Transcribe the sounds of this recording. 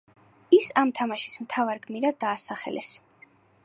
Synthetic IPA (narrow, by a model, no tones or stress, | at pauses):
isamt̪ʰamaʃi̥smt̪ʰavaɾɡmiɾad̪aːsaχɛ̰lʔɛ̰s